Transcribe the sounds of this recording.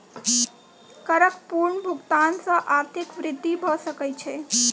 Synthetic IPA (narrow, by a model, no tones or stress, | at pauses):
kəɾəkpuɾɳbʱuɡt̪ansə̃ʔaɾt̪ʰikʋɾɪd̪ːibʱəsəkəjt͡ʃʰe